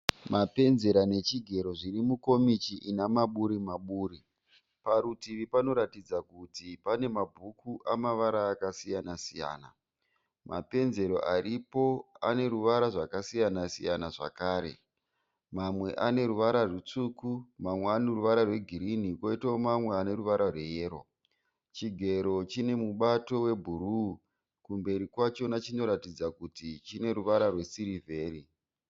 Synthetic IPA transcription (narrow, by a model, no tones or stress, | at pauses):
mape̞nze̞ɾane̞t͡ʃiɡʱe̞ɾo̞ʐirimuko̞mit͡ʃiʔinamaɓuɾimaɓuːɾi | paɾutiʋipano̞ɾatid͡zakutipane̞mabʱukuʔamaʋaɾaːkasijanasija̰ːna̰ | ma̰pe̞nze̞ɾo̞̰ʔaripo̞a̰ne̞ɾuʋaɾaʐakasijanasḭjanaʐa̰kaːɾe̞̰ | mamwe̞ʔane̞ɾuʋaɾarut͡sukumamwe̞aneruʋaɾarwe̞ɡʱiɾinikoitaomamwe̞ane̞ruʋaɾarwe̞jeːɾo̞̰ | t͡ʃiɡʱe̞ɾo̞t͡ʃine̞muɓato̞we̞bʱuɾu | kumbe̞ɾikwat͡ʃo̞nat͡ʃino̞ɾatid͡zakutit͡ʃine̞ɾuʋaɾarwe̞siɾivʱe̞ːri